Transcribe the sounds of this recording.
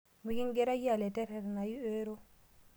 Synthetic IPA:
mu˨ɡi˦ŋ˦ɡe˦ɾa˦ji˦a˨le˨te˦ɾe˨ɾna˨ji˦e˦ɾo˦

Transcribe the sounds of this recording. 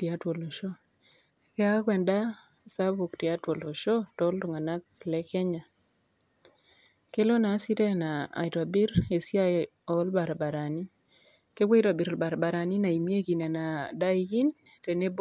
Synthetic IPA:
ti˨a˦two˨lo˨ʃo˦ | kɛ˦a˦kwɛ˨nda˦ | sa˦bo˨kti˨a˦two˨lo˨ʃɔ˦tɔ˨˦lto˨ŋa˨na˦k̚lɛ˦kɛ˦ɲa˨ | ke˦lo˦na˨˦si˦tɛ˦na˨a̰˨i˨ta˨bi˦ɾe˨sja˦ | ɔ˨˦lba˨ɾba˨ɾa˨ni˦ | ke˦ɡwo˦i˦ta˨bi˨ɾɔ˨lba˨ɾba˨ɾa˨ni˦na˨i˨mje˦ɡi˨nɛ˨na˨da˦i˦ɡi˦n | te˨ne˦b

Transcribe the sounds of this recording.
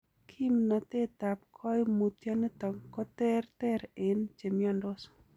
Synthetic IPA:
kʰi˦mna˨t̪e˦t̪a˨p̚kʰɔ˦jmu˨t̪ja˦ne˦t̪ɔ˨ŋkɔ˦t̪ɛ˦rt̪ɛ˦ɾe˦nt͡ʃe˨mjɔ˦ndo˦sɔ̥

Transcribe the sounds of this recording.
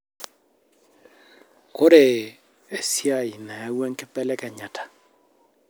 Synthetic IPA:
ko˦ɾe˨ | e˨sja˦˨ɪ˨na˨a˦wɛ˦ŋkɛ˦pɛ˦lɛ˦kɛ˨ɲa˨tʰḁ˨

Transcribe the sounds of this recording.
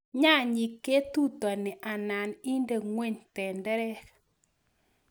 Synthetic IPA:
ɲa˦˨ɲi˨kːe˦t̪u˦t̪ɔ˨nɪ˨ʔa˨na˨ni˦nde˨ŋwe˦˨ɲtɛ˨ndɛ˦ɾɛ˦

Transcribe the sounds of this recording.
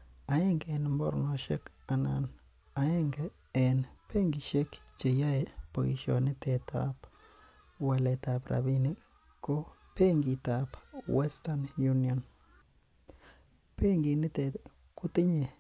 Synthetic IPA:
a˨e˦ŋɡɛ˨nmbɔ̰˦ɾnɔʃe˦k | a˨na̰˨n | a˨e˦ŋɡɛː˨ | npʰe˦ŋɡi˨ʃe˦kt͡ʃe˨ja˦e˨po̰˨iʃɔ̰˨nɪ˦tɛ˨tʰa̰p | wa˨lɛ˨ta˨pɾa̰˨bi˦ni˦ | ko˦ | pe˦ŋɡi˨tapwɛ˦stanju˦niɔ˨n | pe˦ŋɡi˨nɪ˦te˨ | kʊ˦tɪ˦ɲe˨

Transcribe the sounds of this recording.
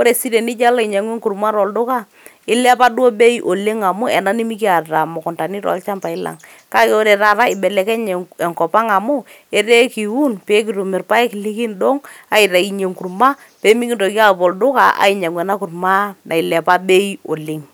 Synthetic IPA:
o˦ɾe˨si˦ɾe˨nɪ˦d͡ʒa˦la˦ɪ˨ɲa˨ŋwɛ˦ŋku˨rma˦ɾɔ˨ldʊ˦ka˦ | ɪ˦lɛ˦pa˦du˦o˦be˦i˦ʔo˨le˦ŋa˨mʊ˦ɛ˨na˦ni˦mi˦k̬i˦a˨ta˨mʊ˨kʊ˨nta˨ni˦ɾɔ̰˨˦lt͡ʃa˦mpa˨ɪ˦la̰˨ŋ | ka˦kɛ˦o˦ɾe˨ɾa˨ɾa˦ɪ˨bɛ˨lɛ˨kɛ˦ɲ˨ɛ˨ŋkɔ˨pa˦ŋa˨mʊ˦ | ɛ˦ɾe˦ki˨wu˦npe˨˦k̬i˨ɾu˨mɪ˨rpa˦e˦ki˨li˦ki˦ndo˦ŋa˨ɪ˨ɾa˨i˨ɲe˨ŋku˨rma˦ | pe˨˦mi˦ki˨nto˨ki˦a˦˨pɔ˨ldʊ˦ka˨ʔa̰˨˦ɪ˨ɲa˨ŋwɛ˨na˦ku˨rma˦na˨ɪ˨lɛ˨pa˦be˦i˦o˨lɪ˦ŋ

